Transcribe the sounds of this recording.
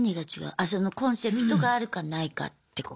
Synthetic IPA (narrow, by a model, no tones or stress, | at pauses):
ɲ̟iɡat͡ɕiɡa̰ɯ̟ʔaso̞nokõ̞ɰ̃se̞pɯ̟̥t̪o̞ɡaːɾɯ̟kanaika̰t̪ːe̞ko